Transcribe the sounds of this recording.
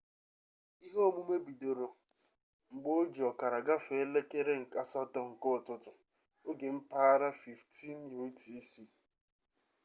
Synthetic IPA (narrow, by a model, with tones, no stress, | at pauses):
i˦ɦo˦mu˦me˦bi˨do˨ɾo˨ | ŋ͡m̩˨ɡ͡bo˦d͡ʒi˨ɔ˨ka˨ɾa˨ɡa˦fe˨˦le˦ke˦ɾe˦ŋ̩˨ka˨sa˦tɔ˨ŋ̩˨kʊ˦˨tʊ˦tʊ˨ | o˦ɡe˨m̩˦pa˦ɾa˦fi˨fti˦njo˦ti˦si˦